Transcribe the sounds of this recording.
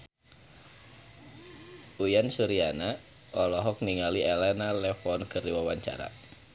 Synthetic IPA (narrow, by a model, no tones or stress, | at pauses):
ʔujansuɾiana | ʔɔlɔɦɔk̚niŋalielɛnalɛfɔnkəriwawaɲt͡ʃa̰ɾa̰